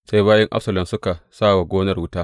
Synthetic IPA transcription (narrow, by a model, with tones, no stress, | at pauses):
sa˦jbaː˦jɐ˦ŋʔa˦sɐ˨lɐ˨msʊ˦ka˨saː˦˨wa˨ɡʷoː˦nɐ˦rwʊ˦taː˦ʔ